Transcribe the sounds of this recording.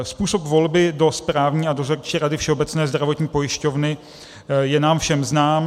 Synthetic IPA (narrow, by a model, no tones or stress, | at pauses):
spuːso̞pvo̞lbɪdo̞spɾaːvɲiːadozoɾt͡ʃiːɾadɪfʃɛo̞bɛt͡snɛːzdɾavo̞t̪ɲiːpo̞jɪʃco̞vnɪ | jɛnaːmfʃɛmznaːm